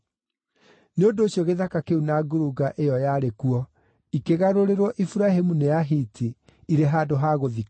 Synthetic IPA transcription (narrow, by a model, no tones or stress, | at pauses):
neondoːɕjɔɣeðakakeunaɡoɾuɡaʔejɔjaɾekuɔ | ikeɣaɾoɾeɾwɔʔifuɾaɦemunejaɦitʰi | iɾeɦaːdoɦaːɣoði